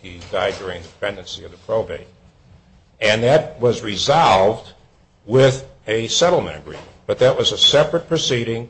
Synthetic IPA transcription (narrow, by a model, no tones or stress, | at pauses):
idaɪd̚dʊɹɪ̃ŋðɨpʰɛ̃ndɨ̃nsiʌvðəpʰɹ̥oʊbḛɪ | ɨ̃nðɨt̚wʌzɹizɑlˠvd̚ | wɪðɨsɛɾl̩ˠmɨ̰̃ñɨɡ̥ɹḭ̃mnb̥ʌt̪̚ðɨt̚wʌzɨsɛpɹɨt̚pʰɹ̥ɨsiɾɪ̃ŋ